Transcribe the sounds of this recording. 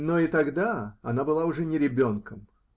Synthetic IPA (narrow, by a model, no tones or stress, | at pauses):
noit̪ɐɡd̪aɐnabɨlˠaʊʐɛnʲɪɾʲɪbʲo̞nkəm